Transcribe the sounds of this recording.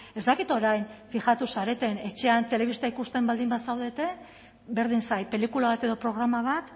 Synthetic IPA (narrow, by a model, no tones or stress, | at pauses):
e̞zd̪akit̪o̞ɾajnfixat̪usaɾe̞t̪e̞ne̞t͡ʃe̞ant̪e̞le̞β̞ist̪aikust̪e̞mbald̪imbasawðe̞t̪e̞ | be̞ɾð̞insajpe̞likulaβat̪e̞ðo̞pɾo̞ɣɾamaβ̞at̪